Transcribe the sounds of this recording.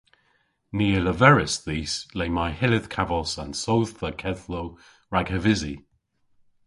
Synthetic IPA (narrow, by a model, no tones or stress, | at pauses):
niːələvɛɹɪsðiːslejmajhɪlɪð̥kʰavəlˠsãnsowðθəkʰɛðlo | ɹaɡəvɪzi